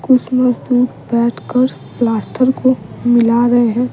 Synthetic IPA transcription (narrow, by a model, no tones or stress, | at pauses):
kʊt͡ʃʰməzd̪uːɾ | bɛːʈʰkəɾ | plaːsʈʰəɾkomɪlaɾɐɦeɦɛ̃ː